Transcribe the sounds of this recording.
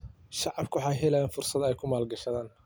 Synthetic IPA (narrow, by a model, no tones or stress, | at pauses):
ʃɑʕɑbkʰʊwħɑjɦɛlɛjaːnfʊrsɐd̪ɛjkʰʊmaːlɡɐʃɐðaːn